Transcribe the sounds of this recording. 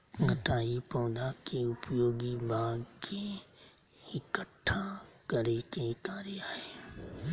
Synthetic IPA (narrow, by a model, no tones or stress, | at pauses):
ŋɐʈaːipɐʊ̃d̪akʰeʊpjoːɡibʱaːɡkʰẽ | ɪkəʈʰːakɐɾekẽkaːɾiaːɦeː